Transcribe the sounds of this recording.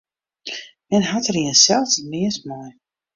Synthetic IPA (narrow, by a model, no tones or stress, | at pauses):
mɛnɦatəɾiənsɛlˠfdəmɪəstmaj